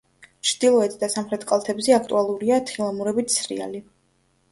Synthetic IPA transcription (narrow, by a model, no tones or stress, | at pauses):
t͡ʃʰɾd̪̥ilˠɔɛt̪ʰd̪asamχɾɛt̪ʰkʼalˠt̪ʰɛbzɛakʰt̪ʼualˠuɾiat̪ʰχilˠamuɾɛbit̪ʰsʰɾḭa̰li